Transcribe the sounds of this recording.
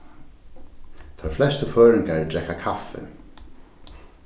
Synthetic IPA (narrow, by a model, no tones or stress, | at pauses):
t̪ʰɔjflɛst̪əføːɹɪŋkaɹdɛkakʰafɪ̰